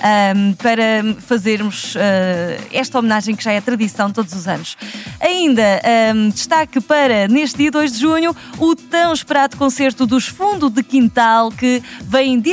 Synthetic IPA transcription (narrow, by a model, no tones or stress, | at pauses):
apɐɾɐfɐzeɾmuʃɛɛʃt̪ɐɔmnaʒɐ̃j̃kʒaɛt̪ɾɐðisɐ̃w̪̃t̪od̪uzuzɐ̰nuʃɐĩnd̪ɐad̪ɨʃt̪akɨpɐɾɐneʃt̪d̪iɐd̪ojʒd̪ɨʒuɲu | ut̪ɐ̃w̃ʃpɨɾaðukõseɾt̪uðuʃfũnd̪uðɨkĩnt̪alˠkɨvɐ̃j̃d̪i